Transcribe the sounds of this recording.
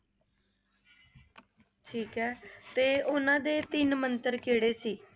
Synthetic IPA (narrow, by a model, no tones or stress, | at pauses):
ʈʰiːkɛːt̪eːʊnãːd̪eːt̪ɪnmənt̪əɾkeːɽeːsiː